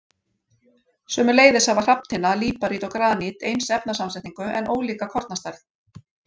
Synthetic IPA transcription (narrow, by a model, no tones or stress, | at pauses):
sœːmʏleːjðɪsavḁr̥apnt̪ʰɪnaliːpaɾit̪ɔkɾaːnit̪ejnsɛp̚nasamsɛht̪iŋkʏʔɛnʔoːwliːkakʰɔɾt̪nast̪ajθ